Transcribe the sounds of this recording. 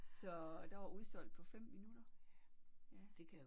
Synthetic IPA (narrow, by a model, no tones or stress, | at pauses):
sɒ̽d̥ɑ̈ʋɑ̈ʔuðˠsɒ̽l̰d̥̚pʰɒ̽fem̰minuɾ̥ɐ | jæd̥ekʰæ